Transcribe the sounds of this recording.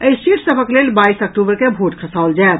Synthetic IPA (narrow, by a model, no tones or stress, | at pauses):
əisiʈʰsəbʱəkleːlbaːisək̚ʈuːbəɾkebʱoʈkʰəsaʊld͡ʒaet̪